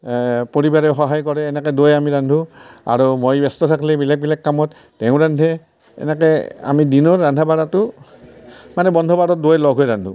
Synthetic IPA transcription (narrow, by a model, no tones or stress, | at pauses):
poɹibaɹɛʊxɔɦajkɔɹɛːnɛkɛdojamiɹandʱua̰ɹumojbɛstɔtʰakʰlɛbilak̚bilakːamɔtːɛʊ̃ɹandʱɛ | ɛ̰nɛkɛa̰midinɔɹːandʱabaɹatʊ | manɛbɔndʱɔbadɔt̚dojlɔɡʱɦojɹandʱṵ